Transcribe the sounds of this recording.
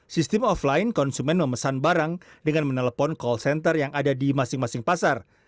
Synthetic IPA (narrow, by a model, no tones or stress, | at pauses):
sist̪əmɔflainkɔnsumɛnməməsanbaɾaŋdəŋanmənələpɔnkɔlsɛnt̪ərjaŋadadimasɪŋmasɪŋpasar